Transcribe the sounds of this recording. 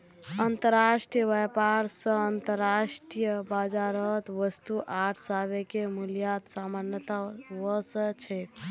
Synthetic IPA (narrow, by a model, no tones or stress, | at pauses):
ənt̪əɾaʃʈijəbɛpaɾsə̃ənt̪əɾːaʃʈijəbad͡ʒaɾəɦt̪ʋəst̪uʔaʈʰsabekemuljat̪samanjət̪aʋəsə̃t͡ʃʰɛ